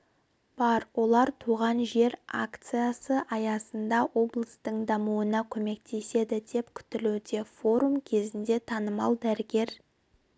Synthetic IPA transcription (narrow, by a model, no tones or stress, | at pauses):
b̥ɑɾwo̞lˠɑɾt̪ʰuʁɑnʒe̞ɾa̰kt̪sɨjasəʔɑjɑsənd̪ɑwʔo̞blˠəst̪əɴd̪ɑmuənɑkʲʰɵme̞kt̪ʰe̞se̞d̪ɪd̪e̞pkʲʰʏ̥t̪ɪluwd̪e̞fo̞ɾumkʲʰe̞zɪnd̪e̞t̪ʰɑnəmɑlˠd̪æɾɪɡʲe̞ɾ